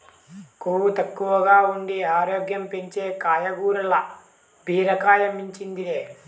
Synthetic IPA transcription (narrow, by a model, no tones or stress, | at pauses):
kuːʋut̪ɐkːuʋɐɡaːuɳɖiaːɾoːɡjɐmpe̞ɲt͡ʃe̞ːkaːjɐɡuːɾɐlɐ | bʱiːɾɐkaːjɐmiɲt͡ʃind̪ieː